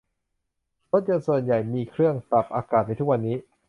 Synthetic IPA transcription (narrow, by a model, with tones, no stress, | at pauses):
ɾo˦˥t̪̚jo˧nsu˨˩ənja˨˩jmiː˧kʰɾɯ˥˩əŋpɾa˨˩p̚ʔaː˧kaː˨˩t̪̚n˧jt̪ʰu˦˥k̚wa˧nːiː˦˥